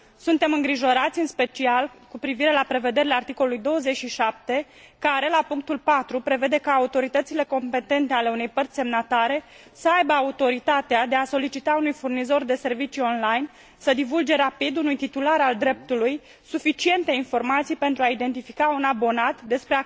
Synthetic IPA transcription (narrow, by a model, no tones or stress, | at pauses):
sunt̪e̞mɨŋɡɾiʒo̞ɾat̪sʲɨnspe̞t͡ʃialkupɾiviɾe̞lapɾe̞ve̞d̪e̞ɾileart̪iko̞lolujd̪o̞wəze̞t͡ʃʃiʃap̚t̪e̞ | kaɾe̞lapuŋk̚t̪ulpat̪ɾupɾe̞ve̞d̪e̞kaːut̪o̞ɾit̪ət̪sile̞ko̞mpe̞t̪e̞nt̪e̞ale̞une̞jpərt̪sʲse̞mnat̪aɾe̞ | səajbəaut̪o̞ɾit̪at̪ead̪e̞aso̞lit͡ʃit̪aunujfurnizo̞rd̪e̞se̞rvit͡ʃio̞nlajn | səd̪ivuld͡ʒe̞ɾapid̪unujt̪it̪ulaɾald̪ɾe̞p̚t̪uluj | sufit͡ʃie̞nt̪e̞info̞rmat̪sijpe̞nt̪ɾuaid̪e̞nt̪ifikaunabo̞nat̪d̪e̞spɾe̞a